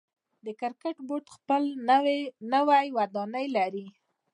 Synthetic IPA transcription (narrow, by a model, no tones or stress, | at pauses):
d̪əkɪɾkaʈboʈxpəl | nəwajwad̪ɑnəjlaɾi